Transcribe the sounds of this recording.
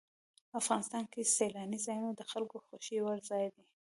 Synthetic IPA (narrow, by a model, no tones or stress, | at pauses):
afɣɑnɪst̪ɑnkeselɑnizɑjunod̪əxalkoxoʃiwəɾzɑjd̪i